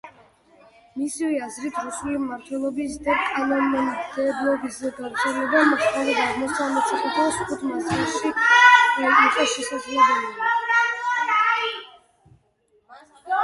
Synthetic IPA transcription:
misivɛazɾit̪ʰɾusulimmaɾt̪ʰwɛlˠɔbisd̪akʼalɔnɔnid̪ɛd̪lˠɔbiszɛɡavɾt̪sʰɛlɛbamɔχt̪ʰalid̪azmɔst̪ʰamɔt̪sʰʼiχɔt̪asχut̪ʰmasɛlˠʃiɛnik̪ʼɔʃɛsazlɛbɛlɛ

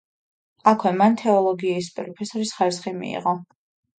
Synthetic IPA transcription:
akʰwɛmant̪ʰɛɔlˠɔɡiɛispʼɾɔpʰɛsɔɾisχaɾisχimḭːʁɔ

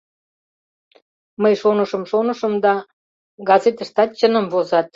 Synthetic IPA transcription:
məjʃonə̆ʃə̆mʃonə̆ʃəmd̪ɑ | ɡɑzet̪əʃt̪ɑt̪̚t͡ɕənə̆mvozɑt̪̚

